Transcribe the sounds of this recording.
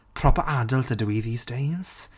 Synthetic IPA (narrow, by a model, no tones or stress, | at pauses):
pʰɹ̥ɔpəɹʔadəlˠtʰədiðiːzdẽɪ̃mz̥